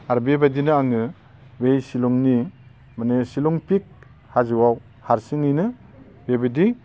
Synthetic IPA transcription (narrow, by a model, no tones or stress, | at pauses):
aɾbebadinɯaŋɯ | bejsilɔŋni | manesiluŋpik̚ | hazɯwaw | haɾsiŋɯjnɯ | bebadi